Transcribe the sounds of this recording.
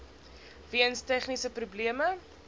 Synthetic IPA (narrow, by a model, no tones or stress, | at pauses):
viənstæχnisəprubliəmə